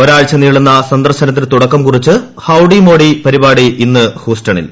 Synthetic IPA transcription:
oɾaːɻt͡ɕːɐniːɭunːɐsɐnd̪ɐrɕɐnɐt̪̬ːilt̪uɽɐkːɐmkurit͡ɕːɨ | hɐwɖimo̞ːɽipɐɾibaːɽiʔinːɨhuːstɐɳḭl

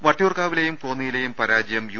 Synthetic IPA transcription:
ʋɐʈːijuːrkaːʋile̞jumkoːnːijilejumpɐɾaːd͡ʑjɐmju

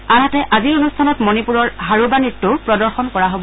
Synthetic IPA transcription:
anatɛʔaziɹonustʰanɔtmonipuɹɔɹɦaɹubanitːʊɹpɹɔdɔɹxɔnkɔɹaɦobɔ

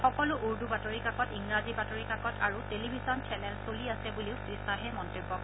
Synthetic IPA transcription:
xɔkɔlʊʔuɹdubatoɹikakɔtiŋɹazibatoɹikakɔtʰaɹutelibʱizɔnt͡ʃʰɛnɛlsoliasɛbuliʊpɹistaɦɛmɔntobːɔk

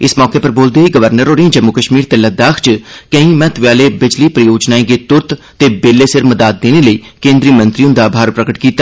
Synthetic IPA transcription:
ɪsmɔːkeːpəɾboːld̪eaːiːɡəʋəɾnəɾɦoːɾiĩːd͡ʒəmːʊkəʃmiːɾt̪eːləd̪aːkʰt͡ʃkəĩːmɛ̃ːt̪ʰʋjaːleːbɪd͡ʒliːpɾəjoːd͡ʒnaːẽːɡeːt̪ʊɾt̪ʰ | t̪eːbeːleːsɪɾməd̪aːt̪̚d̪eːneːləiːkẽːnd̪ɾiːmə̃nt̪ɾiõːnd̪aːbʱaːɾpɾəkəʈkiːt̪ːaː

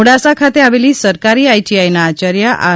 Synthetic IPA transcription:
uɽasakʰat̪eaʋeliːsəɾkaɾiːajʈiajnaːt͡ɕəɾjaʔa̰

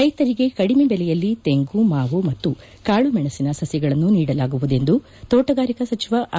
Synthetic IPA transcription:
ɾɐjt̪ɐɾiɡe̞kɐɽimebɛlɛjɐlːit̪e̞ŋɡumaːʋumɐt̪ːu | kaːɭumɛɳɐsinɐsɐsjɐɡɐɭɐnːuniːɽɐlaːɡuʋud̪e̞nd̪u | t̪oːʈɐɡaːɾikɐsɐt͡ʃiʋɐʔ

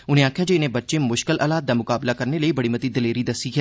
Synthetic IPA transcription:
ʊnẽaːkʰjad͡ʒoɪnẽbɐtːʃẽmʊʃkɪlʔɐːlaːt̪̚d̪amʊkaːblakɐɾneləibɐɽimɐt̪id̪ɪleːɾid̪ɐsikʰ

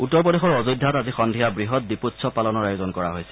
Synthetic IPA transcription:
utːɔɹpɔdexɔɹɔzudʱːatazixɔndʱijabɹiɦɔt̚diputsʰɔpalɔnɔɹajozɔnkɔɹa̰ɦojsɛ̥

